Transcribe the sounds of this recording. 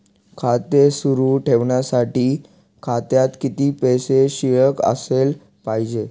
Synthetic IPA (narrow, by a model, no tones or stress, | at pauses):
kʰat̪esuɾuʈʰeʋɳjasaʈiː | kʰat̪jat̪kit̪iːpeseɕiɭəkə̰sel | paɦid͡ʑe